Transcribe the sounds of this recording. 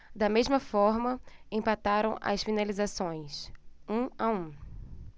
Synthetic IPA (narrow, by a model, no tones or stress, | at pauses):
d̪ɐmezmɐfɔɾmɐẽpat̪aɾɐ̃w̃ʔɐ̰sfinalizasõj̃sũaũ